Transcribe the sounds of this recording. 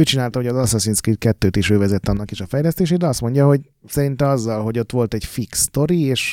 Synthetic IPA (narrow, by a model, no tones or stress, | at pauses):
øːt͡ʃinaːlt̪ɒɦoɟɒzɒsɒsinskrikɛt̪ːøːt̪iʃøːvɛzɛt̪ːɒnːɒkiʃɒfɛjlɛst̪eːʃeːd̪ɛɒst̪mo̞ɲɟɒɦo̞ɟ | sɛɾint̪ɛmɒzːɒlɦo̞ɟo̞t̪ʋo̞lt̪ɛɟfikst̪o̞ɾieːʃ